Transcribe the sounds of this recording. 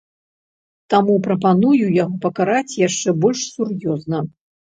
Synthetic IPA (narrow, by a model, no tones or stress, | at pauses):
t̪amupɾɐpanujujaɣɔpɐkaɾat͡sʲjaʂt͡ʂɛbɔlʲʂsurjɔznɐ